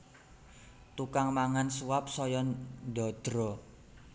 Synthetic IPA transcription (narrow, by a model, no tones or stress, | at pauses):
t̪ukaŋmaŋansuwap̚sɔjɔnɖɔ̤d̪̥ɾɔ